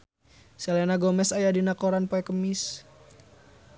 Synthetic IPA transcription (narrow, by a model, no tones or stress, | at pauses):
sɛlɛnaɡɔmɛsajadinakɔɾanpɔɛkəmis